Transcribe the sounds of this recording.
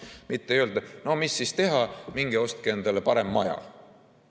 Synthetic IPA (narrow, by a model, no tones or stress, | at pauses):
mit̪ˑːeøld̪ɑno̞misːist̪e̞ɦɑmiŋɡ̥eo̞st̪̚keend̪ɑlepɑɾe̞mːɑjɑ̰